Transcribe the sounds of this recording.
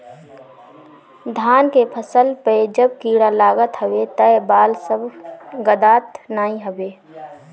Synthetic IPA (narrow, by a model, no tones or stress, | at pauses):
d̪ʱaːnkepʰəsəlpəed͡ʒəb̚kiːɽalaːɡət̪ɦəʋet̪əebaːlsəbʱɡəd̪aːt̪naːĩɦəbeː